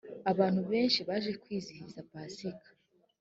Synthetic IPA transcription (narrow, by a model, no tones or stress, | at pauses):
aβaːn̥huβe̞ːnʃiβaʒe̞kwiːzihizapaːsikḁ